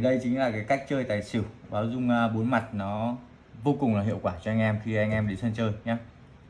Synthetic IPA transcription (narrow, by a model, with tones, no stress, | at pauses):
ɗə˧jt͡ɕï˨˦ŋ̟laː˨˩kaː˨˦jka˦˥jk̟̚t͡ɕəː˧jt̪a̰ː˧˨jsi˧˩ə˨wɓaː˨˦wzʊ˧ŋ͡mɓo˨˦nma˨˩t̚nɔ˨˦ | vo˧kʊ˨˩ŋ͡mlaː˨˩ɦḭ˧˨əwkwaː˧˩t͡ɕɔ˧ʔa˧ŋ̟ʔɛ˧mxi˧ʔa˧jŋ̟ʔɛ˧mɗe˨˦nsə˧nt͡ɕəː˧jɲaː˨˦